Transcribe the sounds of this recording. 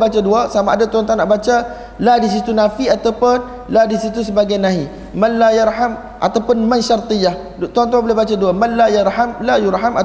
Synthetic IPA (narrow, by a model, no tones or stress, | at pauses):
bat͡ʃaduasamaʔadat̪uɦant̪anaʔbat͡ʃa | ladis̬it̪unafiat̪awpʊn | ladisit̪usəbaɡajnãɦi | manlajaɾɦam | ʔa̰t̪awpʊnmãnʃart̪ijah | t̪uant̪̬uabolebat͡ʃaduamanlajaɾhamlajuɾɦama